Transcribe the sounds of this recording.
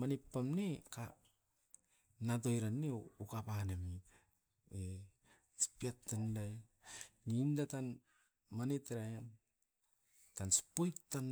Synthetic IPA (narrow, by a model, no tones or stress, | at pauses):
manepːamneka | nat̬ojɾanːeukapanemi | e | si̥piatːandaj | nindatan | manetɾajam | tansi̥pojktan